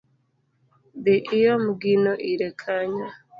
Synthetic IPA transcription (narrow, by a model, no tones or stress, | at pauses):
biʔijomuɡinoʔiɾekʰaɲa